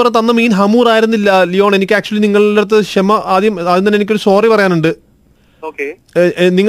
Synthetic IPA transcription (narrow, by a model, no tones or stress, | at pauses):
ɐrɐet̪ɐnːɐmiːnɦɐmuːraːjiɾunːilːɐlijo̞ːɳe̞nikʲːɨaːk̚t͡ɕuɐliniŋːɐɭoɐt̪̬ːɨɕemːɐʔɐd̪jɐmɐðint̪ɐnːenikʲːoɾuso̞ːripɐrɐjaːnuɳɖɨ | oke | niŋː